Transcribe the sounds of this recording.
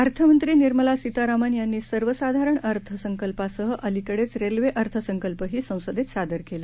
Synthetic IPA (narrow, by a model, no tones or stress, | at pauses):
əɾt̪ʰəmənt̪ɾiːniɾməlasit̪aɾamanjanːiːsəɾʋəsad̪ʱaɾəɳəɾt̪ʰəsəŋkəlpasəɦəʔəlikəɽet͡sɾelʋeʔəɾt̪ʰəsəŋkəlpəɦiːsə̃w̃səd̪et̪sad̪əɾkela